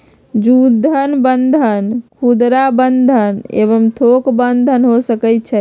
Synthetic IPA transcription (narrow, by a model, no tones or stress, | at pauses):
d͡ʒud̪ʱːənbənd̪ʱənkʰud̪ɾabənd̪ʱənḛβəmt̪ʰokbənd̪ʱənɦosəkɛt̪̚t͡ʃʰɛ